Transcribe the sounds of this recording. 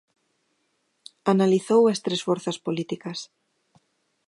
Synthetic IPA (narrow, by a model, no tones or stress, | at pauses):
analiθowest̪ɾesfoɾθaspolit̪ikɐs